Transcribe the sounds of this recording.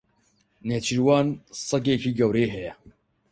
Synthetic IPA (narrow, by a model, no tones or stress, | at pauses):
net͡ʃʰiɾwɑːnsˤɐɡekʰiːɡɐwɾeːɦɛjɛ